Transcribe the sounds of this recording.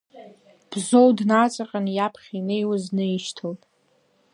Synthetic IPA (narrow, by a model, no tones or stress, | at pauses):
b̥zo̞wdnat͡sʷʼaqʼanjapʰχʲinejwaznɨjʃtʰoltʼ